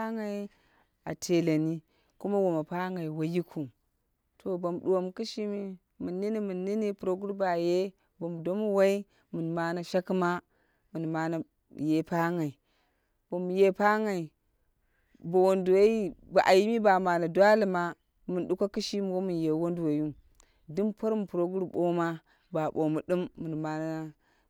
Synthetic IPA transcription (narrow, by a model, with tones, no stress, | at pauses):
a˦ŋa˨i˦ | a̰˨tʰe˨la˨ni˦ | ku˦ma˦wo˨ma˨pa˦ŋa˨i˨wa˨ji˦kʰu˨ | tʰo˨bo˨m˨ɗu˨wo˨m˨ki˦ʃi˦mi˦ | mu˨nːi˦ni˦mɨ˨nːi˦ni˦pu˨ɾo˦ɡu˦ɾba˨je˦ | bo˨m˨do˦mu˦wa˦i˦ | mu˨n˨ma˦na˦ʃa˦kma˦ | mu˨n˨ma˦na˨ | je˨pa˦ŋa˨i˨ | b̥o˨m˨je˦pa˦ŋa˨i˨ | bo˨wo˨ndu˨wa˦i˦ba˨ʔa˨ji˦mi˦ba˨ma˨na˨dwa˦li˨ma˦ | mɨ˨n˨ɗu˦ko˦kɨ˦ʃi˦mi˨wo˦mu˨nje˨wo˦ndu˨wo˨ju˦ | dɨ˦mpo˦ɾmu˨pu˨ɾo˦ɡu˦ɾɓo˦ma˦ | ba˨bo˨mu˨ɗu˦mːɨ˨n˨ma˨na˦a˦